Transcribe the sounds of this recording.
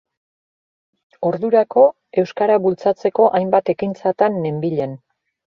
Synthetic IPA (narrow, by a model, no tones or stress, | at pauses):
o̞ɾðuɾako̞ | e̞wskaɾaβult͡sat͡se̞ko̞ʔajmbat̪e̞kint͡sat̪anːe̞mbiʎe̞n